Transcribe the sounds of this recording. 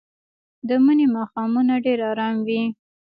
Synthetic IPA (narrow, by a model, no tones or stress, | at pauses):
d̪əmənemɑxɑmunaɖeɾɑɾɑmwi